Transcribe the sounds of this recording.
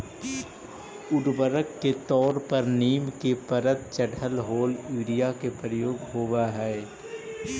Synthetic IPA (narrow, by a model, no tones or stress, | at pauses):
ʊɖbəɾəkːet̪ɔːɾpəɾniːmkepəɾət̪̚t͡ʃəɖʱəlɦoːliːɾijakepɾəjoːɡɦoːwaɦɛː